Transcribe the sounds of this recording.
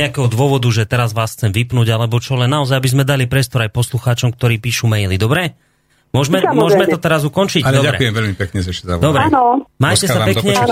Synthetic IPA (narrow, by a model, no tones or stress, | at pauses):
ɛakɛɦɔd̪ʊɔʋɔd̪uʒɛt̪ɛɾazʋaːsxt͡sɛmʋipnuːɟalɛbɔt͡ʃɔlɛnːaɔzajabizmɛd̪alipɾɪɛst̪ɔɾajpɔsluxaːt͡ʃɔmk̚t̪ɔɾiːpiːʃumɛjlid̪ɔbɾɛ | mʊɔʒmɛmʊɔʒmɛt̪ɔt̪ɛɾazukɔnt͡ʃicd̪ɔaɾɛ̰ujɛmvɛʎmipɛkɲɛzaaʃɛza̰d̪ɔbɾɛnmaːjcɛssapɛɲɛ